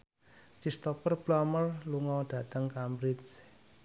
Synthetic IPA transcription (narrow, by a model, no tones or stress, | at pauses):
t͡ʃist̪ɔpərb̥laməlluŋɔɖ̥ä̤t̪əŋkambɾis